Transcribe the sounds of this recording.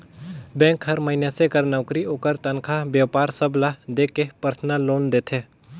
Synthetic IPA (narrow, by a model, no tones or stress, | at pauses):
bɛ̃ːŋkɦɐɾməɦɪnjasekəɾnəʊkɾioːkəɾt̪ənkʰabjəʋpaːɾsəblad̪eːkepəɾt̪ʰnaloːnd̪eːt̪ʰeː